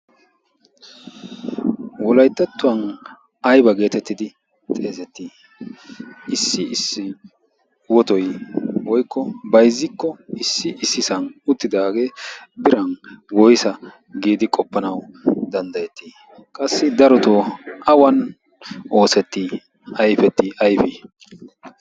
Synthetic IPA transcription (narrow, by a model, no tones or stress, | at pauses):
wɔlɐjt̪ːɐt̪ːʊwɐn | ɐjbɐɡe̞ːt̪ɛt̪ːɪd̪ɪ | t̪ʼe̞ːzɛt̪ːiː | ʔɪsːɪɪsːɪ | wɔt̪ɔjwɔjkːɔbɐjzːɪkːɔɪsːɪʔɪsːɪsɐnʊt̪ːɪd̪aːɡe̞ːbɪɾɐnwɔjsɐ | ɡiːd̪ɪkʼɔpːɐnɐwd̪ɐnd̪ɐjɛt̪ːi | kʼɐsːɪd̪ɐɾɔt̪oʔɐwɐn | ʔo̞ːsɛt̪ːi | ɐjfɛt̪ːɪʔɐjfɪ